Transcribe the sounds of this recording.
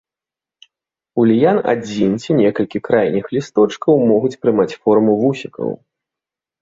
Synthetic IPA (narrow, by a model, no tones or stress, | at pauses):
ulʲijana̰d͡zʲint͡sʲinʲɛkɐlʲkʲikɾajnʲixlʲist̪ɔt͡ʂkɐwmɔɣut͡sʲpɾɨmat͡sʲfɔrmuvusʲikɐ̰w